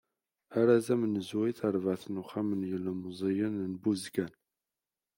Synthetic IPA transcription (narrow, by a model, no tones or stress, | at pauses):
aɾazæmənəzwiθəɾˤvəʕθnuχamənjəlmzˤijənnbuzɡæn